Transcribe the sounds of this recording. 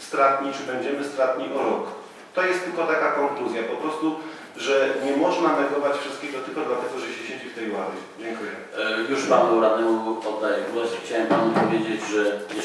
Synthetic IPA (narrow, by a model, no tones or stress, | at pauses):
st̪ɾat̪ɲit͡ʂɘbɛɲd͡ʑɛmɘst̪ɾat̪̚ɲiʔɔɾɔk | t̪ɔjɛst̪ːɘlkɔt̪akakɔŋkluzʲjapɔpɾɔst̪u | ʐɛɲɛmɔʐnanɛɡɔvat͡ɕfʂɨst̪kʲɛɡɔt̪ɘpud̪lat̪ɛɡɔʐɛɕɛɕed͡ʑift̪ɛjwad̪ʲɛd͡ʑɛŋkujɛ | juʂpanuɾad̪ɛɡpɔd̪ːad͡ʑɡɔɕxt͡ɕawɛmpanupɔvʲjed͡ʑed͡ʑʐɛjɛ